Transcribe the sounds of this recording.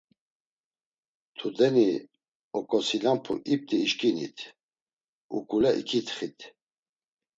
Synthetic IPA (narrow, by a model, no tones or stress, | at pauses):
t̪ʰud̪ɛni | ɔkʼɔsilampʰṵʔip̚t̪ʼiːʃkʼinḭt̪ʰ | ṵkʼulɛʔḭkʰit̪ʰχit̪ʰ